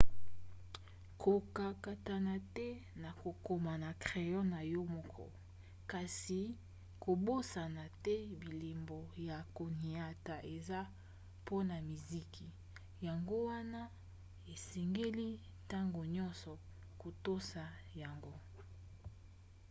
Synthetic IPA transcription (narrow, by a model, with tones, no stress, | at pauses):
kʰo˨ka˨ka˨ta˨na˨tɛ˦na˨ko˨ko˨ma˨na˨kʁe˨jɔ˦na˨jɔ˦mɔ˦kʰɔ̰˦ | ka˨si˨ | ko˨bo˦sa˨na˨tɛ˦bi˨li˨mbo˨ja˨ko˨ni˨a˨ta˨ʔe˨za˦ | po˦na˨mi˨zi˦ki˨ | ja˨ŋɡo˦wa˦na˦ | e˨se˨ŋɡe˦li˦ | ta˦ŋɡo˨ɲɔ̃˦nsɔ˨ | ko˨to˦sa˨ | ja˨ŋɡo˦